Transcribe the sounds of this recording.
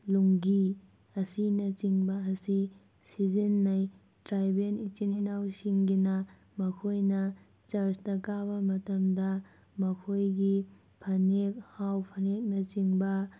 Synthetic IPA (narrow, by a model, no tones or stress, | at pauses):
luŋɡi | ɐsinɐt͡ʃiŋbɐɐsi | sid͡ʒinːaj | tɾajbenit͡ʃininawsiŋɡinɐ | mɐkʰojnɐ | t͡ʃɐɾstɐkabɐmɐtɐmdɐ | mɐkʰojɡi | pʰɐnek̚hawpʰɐnek̚nɐt͡ʃiŋbɐ